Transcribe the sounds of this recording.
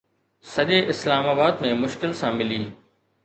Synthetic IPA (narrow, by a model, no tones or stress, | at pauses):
sɐʄeʔɪslaːmaːbaːd̪mẽmʊʃkɪlsãːmɪliː